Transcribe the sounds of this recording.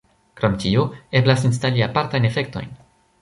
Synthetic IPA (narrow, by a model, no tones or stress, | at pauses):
kɾo̞mtioe̞blasins̬taliapaɾtajne̞fe̞kto̞̰jn